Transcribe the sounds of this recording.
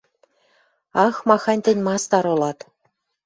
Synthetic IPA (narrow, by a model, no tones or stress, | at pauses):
ɑxmɑxɑnʲt̪ɘ̆nʲmɑst̪ɑɾŏlˠɑt̪